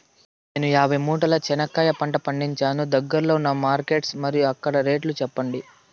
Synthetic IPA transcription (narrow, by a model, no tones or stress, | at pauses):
neːnujaːbʱɐjmuːʈɐlɐt͡ʃɛnɐkːɐːjɐpɐɳʈɐpɐɳɖiɲt͡ʃaːnud̪ɐɡːɐɾɐloːnːɐmaːɾke̞ːʈsmɐɾijuɐkːɐɽɐɾe̞ːʈlut͡ʃɛpːɐɳɖi